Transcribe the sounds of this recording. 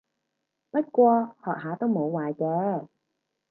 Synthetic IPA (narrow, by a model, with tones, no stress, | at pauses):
pɐ˥t̚kʷwɔː˧hɔː˨k̚haː˨˥t̪o˥wmo˨˧˥wwaː˨jt͡sɔː˨˥